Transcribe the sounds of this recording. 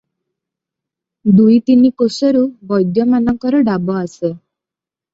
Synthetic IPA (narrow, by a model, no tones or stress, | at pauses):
d̪ujt̪inikosɔɾubɔjd̪jɔmanɔŋkɔɾɔɖabɔase